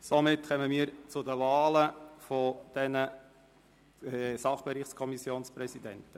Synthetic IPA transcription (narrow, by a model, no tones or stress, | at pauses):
somɪtkœməmiːəɾt͡sʊdəvɑːləfɔd̪̥ɛnə | sɑχb̥ɛɾɪχtskʰɔmisjoːnspɾɛsidɛntə